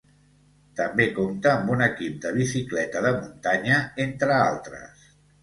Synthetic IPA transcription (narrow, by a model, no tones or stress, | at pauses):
t̪əmbekomt̪əːmbunəkip̚d̪əβ̞isiklɛt̪əðəmunt̪aɲəent̪ɾəalˠt̪ɾə̰s